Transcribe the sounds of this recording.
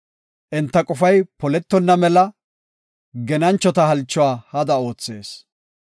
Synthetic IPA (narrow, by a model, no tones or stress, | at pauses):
ʔɪnt̪ːɐkʼɔfɐjpɔlɛt̪ːɔnːɐmɛlɐ | ɡɛnɐnt͡ʃːɔt̪ɐhɐlt͡ʃːɔwaːhɐd̪ɐo̞ːt͡sːe̞ːs